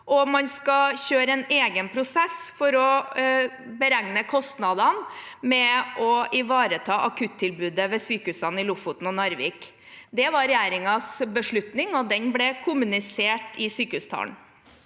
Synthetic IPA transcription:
ʔɔmɑnskɑçøːɾəɛneːɡənpʰɾʊsɛsfɔɾɔ | bəɾæŋnəkʰɔst̪nɑd̪ɑnmɛʔɔɪʋɑːɾət̪ʰɑːʔɑkʰʉt̪ʰːɪlbʉːd̪əʋɛsyːkəʉsɑnɪlʊfʊt̪n̩ɔnɑɾʋḭːk | d̪ɛʋɑɾɾɛjæːɾɪŋɑsbəʂɭʉt̪nɪŋɔd̪ɛnblɛkʰʊmʉnɪseːʈɪsyːkəʉst̪ʰɑ̰ːɳ

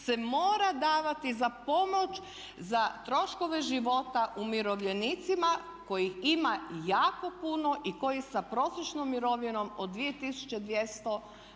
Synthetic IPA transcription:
se̞mo̞ːɾad̪aːʋat̪izapo̞mo̞t͡ʃ | zat̪ɾo̞ʃko̞ʋe̞ʒiʋo̞t̪aʔumiɾo̞ʋʎe̞nit̪sima | ko̞jiximajaːko̞puno̞ʔiko̞jisapɾo̞sɾet͡ʃnomːiɾo̞ʋino̞mod̪d̪ʋie̞t̪isu̥t͡ʃe̞d̪ʋjest̪o̞

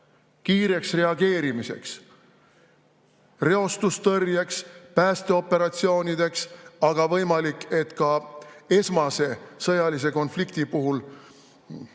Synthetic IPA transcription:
kiːɾe̞ksre̞ɑɡ̥e̞ːɾimise̞̰ks | re̞o̞st̪ust̪ɤrjekspæːst̪e̞o̞pːˑe̞ɾɑt̪sio̞ːnid̪̥e̞ksɑɡ̥ɑvɤjmɑlikˑːe̞t̪kɑe̞smɑse̞sɤjɑlis̬e̞ko̞nflikt̪ipuɦul

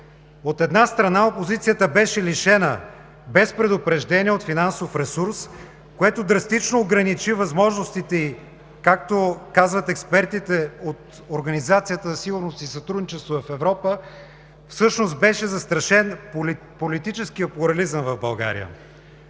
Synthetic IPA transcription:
ot̪ɛd̪nast̪ɾɐnaopozit̪sijət̪əbɛʃɛliʃɛnə | bɛspɾɛd̪ʊpɾɛʒd̪ɛniɛot̪finansofɾɛsuɾs | koɛt̪od̪ɾɐst̪it͡ʃnoːɡɾɐnit͡ʃivɐzmɔʒnost̪it̪ɛi | kak̚t̪okazvət̪ɛkspɛɾt̪it̪ɛot̪ | oɾɡɐnizat̪sijət̪əzɐsiɡʊɾnost̪isɐt̪ɾud̪nit͡ʃɛst̪voɐfɛvɾɔpə | fsɤʃnost̪bɛʃɛzɐst̪ɾɐʃɛn | polit̪it͡ʃɛsk̟ijəplʊɾɐlizəmvɐvbɐlˠɡa̰ɾḭjə̰

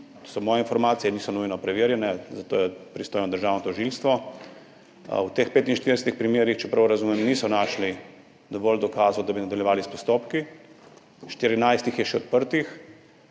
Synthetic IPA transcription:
t̪osɔmɔːjɛinfɔɾmaːt̪sijɛniːsɔnujnɔpɾɛʋeːɾjɛnɛzat̪o̰ːjɛpɾist̪oːjnɔd̪əɾʒaːwnɔt̪ɔʒilst̪ʋɔ | wt̪eːxpeːt̪inʃt̪iɾdɛsɛt̪ixpɾimjeːɾixt͡ʃɛpɾawɾazumɛmniːsɔnaʃli | d̪ɔʋɔːld̪ɔkaːzud̪abinad̪aljɛʋaːlispɔst̪oːpki | ʃt̪iɾinajst̪ixjɛʃɛɔ̰t̪̚pəɾt̪ix

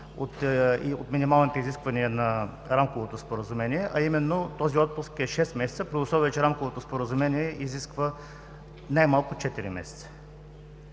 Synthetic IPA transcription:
ot̪io̰t̪minimalˠnit̪oiziskvɐniɛnɐ | ɾamkovot̪ospoɾəzumɛniɛʔɐimɛnːot̪ɔziɔt̪̚pʊskɛʃɛst̪mɛsɛt̪səpɾoʊsɔvɛt͡ʃɛɾamkovot̪ospoɾəzumɛniɛʔiziskvə | najmalˠkʊt͡ʃɛt̪iɾḭmɛ̰sɛ̥t̪sə̥

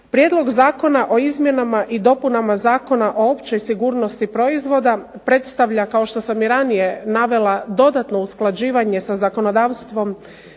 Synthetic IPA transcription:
pɾjed̪lo̞ɡzaːko̞naʔo̞izmje̞namaʔid̪o̞punamazaːko̞naʔo̞o̞pt͡ɕo̞jsiɡuːɾno̞st̪ipɾo̞izʋo̞d̪apɾe̞t̪st̪aʋʎakaoʃt̪o̞samiɾanije̞naʋe̞lˠad̪o̞d̪at̪no̞usklˠad͡ʑiːʋaɲe̞sazako̞no̞d̪aːʋst̪ʋo̞m

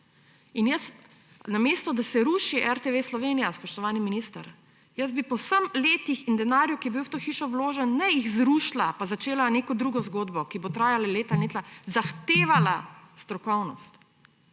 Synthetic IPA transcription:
injəs | nameːst̪ɔd̪asɛɾuːʃiʔɛɾt̪eʋeːslɔʋenijaspɔʃt̪ɔʋaːniminiːst̪a̰ɾ | jəzbipɔwsəmleːt̪ixind̪ɛnaːɾjukijɛbiwt̪oːxiʃɔwloːʒɛnːɛjiɣzɾuʃlapazat͡ʃeːlaneːkɔd̪ɾuːɡɔzɡoːd̪bɔkibot̪ɾaːjalaleːt̪aneːt̪lazaxt̪eːʋalast̪ɾɔkɔwnɔst̪

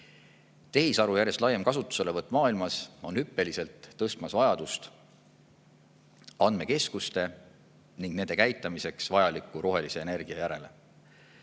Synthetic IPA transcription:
t̪e̞ɦisɑɾujæɾje̞st̪lɑje̞mkɑsut̪ːˑu̥se̞le̞vɤt̪ːˑmɑːilmɑso̞nhypːe̞lise̞lt̪ːɤst̪mɑsvɑjɑd̪̥ust̪ | ɑnd̪meke̞skust̪e̞ | niŋɡ̥ne̞nd̪e̞kæjt̪ːˑɑmise̞ksvɑjɑlikːˑuɾo̞ɦe̞lise̞eːne̞rɡ̥iɑjæɾe̞le

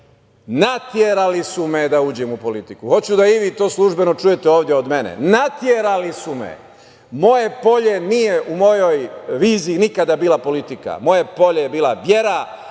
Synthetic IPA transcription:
nat̪jeɾalisumed̪auːd͡ʑemupo̞lit̪ikuxo̞t͡ɕud̪aiʋit̪o̞ːslˠuʒbe̞no̞t͡ʃujet̪eoːʋd̪jeod̪me̞nḛnat̪jeɾalisumḛ | mo̞jepo̞ʎe̞niːjeʔumo̞jo̞jʋiːziːnikad̪abiːlapo̞lit̪ika̰mo̞jepo̞ʎejebiːlˠaʋje̞ɾa

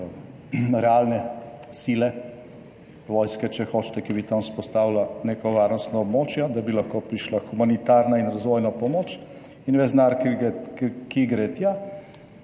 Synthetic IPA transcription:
ɾɛalnɛsilɛ | ʋoːjskɛt͡ʃɛxoːt͡ʃt̪ɛkibit̪amspɔst̪aːwlanekɔʋaɾnɔst̪nɔɔbmoːt͡ʃjad̪abilaxkopɾiʃlaxumanit̪aɾnainɾazʋoːjnapɔmoːt͡ʃ | inʋɛznaɾk | kiɡɾɛt̪ja

